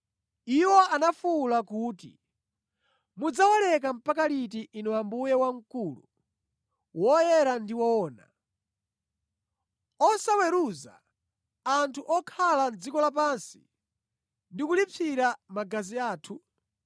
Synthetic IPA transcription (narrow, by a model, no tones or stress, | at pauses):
iwɔʔanafulakuːtḭ | mud͡zawalɛk̬am̩pak̬alit̬iʔinɔwambujɛwaŋ̩kulṵ | wɔjɛɾandiwɔɔːna̰ | ɔsawɛɾuza̰ː | ntʰuʔɔkʰaland͡zikɔlap̬ansi̥̰ | ndikulip͡fʰiɾamaɡaziaːtʰu